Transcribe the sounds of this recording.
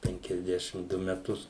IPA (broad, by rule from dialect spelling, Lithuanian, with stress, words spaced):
pʲɛŋʲkʲɛzʲˈdʲæːʃʲɪm ˈdʊ mʲɛˈtʊs